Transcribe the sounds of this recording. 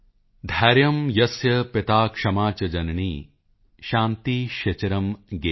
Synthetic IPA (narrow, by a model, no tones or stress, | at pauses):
d̪ʱɐːɾjɐmjɐsjɐpɪt̪aːkʂɐmaːt͡ʃɐd͡ʒɐnɐɳiː | ʃaːnt̪iʃɐt͡ʃɐɾɐmɡe